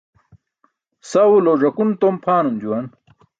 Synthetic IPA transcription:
sawuloʐɐkunt̪ompʰaːnund͡ʑuwɐn

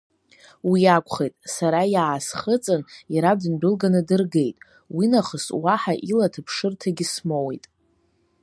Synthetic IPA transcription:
wiakʷʰʼχejtʼsaɾajaːsχət͡sʼɨniɾadɨnbɨlɡanɨdɨrɡe̞jtʼ | winaχəswaħaʔilatʰɨpʰʂɨrtʰaɡʲɪsmowejtʼ

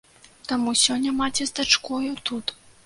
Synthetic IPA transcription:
t̪amusʲɔnʲːɐmat͡sʲɛzd̪at͡ʂkɔjut̪ut̪

